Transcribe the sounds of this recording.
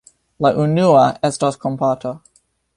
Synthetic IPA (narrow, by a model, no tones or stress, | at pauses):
laʔunuaestaskompatʰo